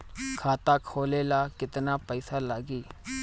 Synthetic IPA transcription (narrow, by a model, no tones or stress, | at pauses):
kʰaːt̪aːkʰoːleːlaːkɪt̪naːpəɪsalaːɡiː